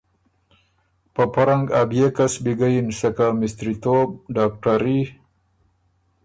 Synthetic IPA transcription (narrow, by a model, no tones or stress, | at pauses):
pəpaɾaŋɡabjekasbiɡajinsakamɪst̪ɾit̪ob̚ɖak̚ʈaɾi